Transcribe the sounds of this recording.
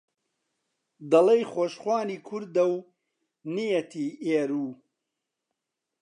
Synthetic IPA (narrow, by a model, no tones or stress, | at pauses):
d̪ɐlejχoːʃχwɑːniːkʰʊɾd̪ɐw | nijet̪ʰiːeːɾuː